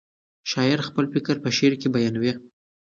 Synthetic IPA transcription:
ʃɑjɪɾxpəlfɪkəɾpəʃeɾkebajɑnwi

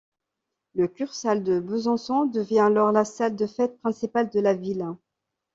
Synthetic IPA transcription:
ləkʲyʁsald̪əbəzɔ̃sɔ̃d̪əvjɛ̃alɔʁlasald̪əfɛt̪̚pχɛ̃sipald̪əlavil

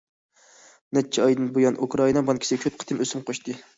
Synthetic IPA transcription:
nɛt͡ʃʰːɛɑjd̪ɨnbojɑnʔukɾɑinɑbɑnkʲʰisɪkʲʰøp̚qʰə̥t̪ʰɨmøsymqʰoʃt̪ɨ

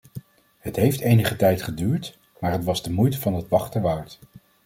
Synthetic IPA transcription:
hətɦejftejnəχətɛjtχədyːɹt | maːɹɦətʋɑzdəmujtəvɑndɑtʋɑχtəʋaːɹt

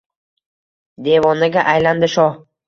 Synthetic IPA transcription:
d̪evɒnɪɡʲaʔajland̪ɪʃɒ

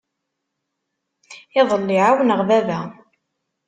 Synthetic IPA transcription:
ɪðˤəlːiʕawənəʁðævæ

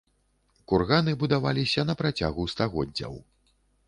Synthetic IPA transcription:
kurɣanɨbud̪ava̰lʲisʲɐnɐpɾat͡sʲa̰ɣust̪aɣɔ̰dd͡zʲːɐ̰w

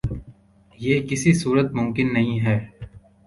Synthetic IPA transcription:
jeːkɪsisuːɾət̪mʊ̃mkɪnːɐɦĩɦɛː

